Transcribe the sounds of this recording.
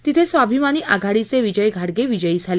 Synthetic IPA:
t̪it̪ʰesʋabʱimañiːʔaɡʱaɽit͡seʋid͡ʑəjɡʱaɽɡeʋid͡ʑəiːd͡zʱale

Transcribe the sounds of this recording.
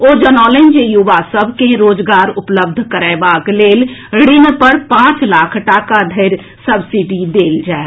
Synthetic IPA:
od͡ʒənɔlend͡ʒejuʋasəbʱkẽɾoːd͡ʒɡaːɾʊpləbd̪ʱkəɾɛːbakleːlɽɪnpəɾpãt͡ʃlaːkʰʈaːkad̪ʱəɪɾ | səbsiɖid̪eːld͡ʒae

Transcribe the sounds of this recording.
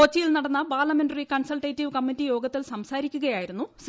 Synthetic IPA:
ot͡ɕːijilnɐɽɐnːɐpaːrlɐme̞nɖɐrikɐɳsɐlʈeːtːiʋɨkɐmːitːijo̞ːɡɐt̪ːilsɐmsaːɾikʲːuɣɐjaːjiɾunːus

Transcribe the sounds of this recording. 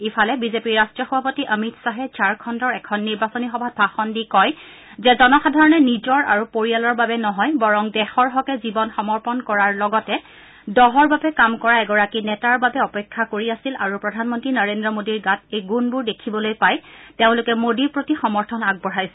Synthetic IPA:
ipʰalɛbizepiɹːastɹɔxɔbʱapotiʔəmitsaɦɛt͡ʃaɹkʰɔndɔɹɛkʰɔnːiɹbasɔnixɔbʱat̚bʱaxɔndikɔj | zɛzɔnɔxadʱaɹɔnɛnizɔɹa̰ɹupoɹijalɔɹbabɛnɔɦɔjbɔɹɔŋdɛxɔɹɦɔkɛzibɔnxɔmɔɹpɔnkɔɹaɹlɔɡɔtɛ | dɔɦɔɹbabɛkamkɔɹaɛɡɔɹakinɛtaɹbabɛɔpɛkʰːakoɹiasila̰ɹupɹɔdʱanmɔntɹinəɹendɹɔmodiɹɡatejɡunbuɹdekʰibɔlojpajteʊ̃lʊkɛmodiɹpɹotixɔmɔɹtʰɔnaɡ̚bɔɹajsɛ

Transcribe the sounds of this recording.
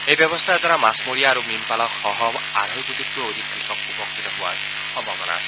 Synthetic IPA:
ejbjɔbɔst̪ʰaɛd̪ʱaɾamasmoɹijaːɾumimpalɔkxɔɦɔm | a̰ɾʱɔjtut̪ikːuood̪ʱikɾitʰɔk̚upɔkʰːit̪ɔɦʊwa̰ɹ | xɔmbʱabɔna̰ːsɛ̥

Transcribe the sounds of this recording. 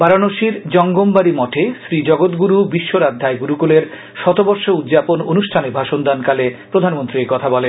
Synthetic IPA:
baɾanoʃiɾd͡ʑɔŋɡombaɾimɔʈʰeʃɾid͡ʑɔɡot̪ɡuɾubiʃːoɾad̪ʱːaeɡuɾukuleɾ | ʃɔt̪obɔɾʃoud̪d͡ʑapononuʃʈʰanebʱaʃond̪ankalepɾod̪ʱanmont̪ɾikɔt̪ʰabɔlen

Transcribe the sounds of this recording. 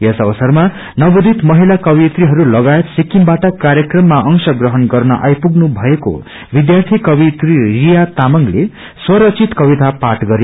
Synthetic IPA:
jʌsʌbʌsʌrma | nʌbud̪ʱit̪mʌɦilakʌbit̪riɦʌɾulʌɡajet̪sikːiŋbaʈʌkaɾjʌkrʌmːaʔʌŋsʌɡrʌɦʌnɡʌrnʌ̰ʔa̰jpuɡnubʱʌeko̰ | bid̪jart̪ʰikʌbit̪ririjat̪amʌŋle | swʌɾʌt͡sʰit̪kʌbit̪apaʈɡʌɾe

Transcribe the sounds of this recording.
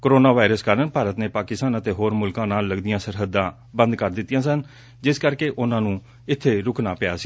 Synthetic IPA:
kəɾoːnaːʋaːɪɾəskəɾənpaːɾət̪neːpaːkɪsaːnət̪eːɦoːɾmʊlkãːnaːlːəɡd̪ɪjãːsəɾɦəd̪ːãː | bənd̪kəɾd̪ɪt̪ːɪjãːsən | d͡ʒɪskəɾkeːʔʊnãːnũː | ɪt̪ʰːeːɾʊkʰnaːpɪja̰ːsi̥

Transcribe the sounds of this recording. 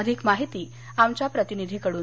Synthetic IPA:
əd̪ʱikmaɦit̪iː | amt͡ɕjapɾət̪inid̪ʱiːkəɽuː

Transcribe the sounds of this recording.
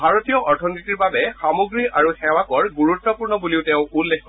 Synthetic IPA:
bʱaɹotijɔʔɔɹtʰɔnitiɹbabɛxamoɡɹiaɹuxɛwakɔɹɡuɹutːɔpuɹnɔbuliʊteʊ̃ulːekkɔ

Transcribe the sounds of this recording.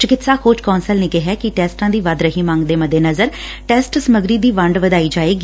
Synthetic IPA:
t͡ʃəkɪt̪saːkʰoːt͡ʃkɔːnsəlnẽːkɪɦɛːkɪʈɛːsʈãːd̪iːʋəd̪ɾəɦiːmãːŋɡd̪eːməd̪eːnəzəɾ | ʈɛːsʈsəməɡɾiːd̪iːʋəɳɖʋəd̪aːiːd͡ʒaːeːɡiː

